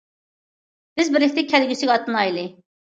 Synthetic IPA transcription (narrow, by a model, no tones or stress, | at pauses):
b̥ɪzbɪɾlɪk̚ʲt̪ɪkʲʰɛlɡʲysɪɡʲɑt̪ːɨnɑjlˠɨ